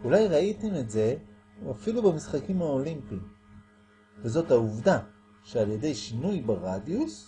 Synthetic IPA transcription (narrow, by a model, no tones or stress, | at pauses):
ulajʁaitemetze̞ | afilubemisχakimao̞limpim | vezo̞thauvda | ʃealje̞de̞jʃinujbaʁadjus